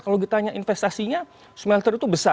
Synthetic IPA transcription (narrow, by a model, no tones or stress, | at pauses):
kaloɡit̪aɲaʔinfest̪asiɲa | smɛlt̪ərit̪ubəsa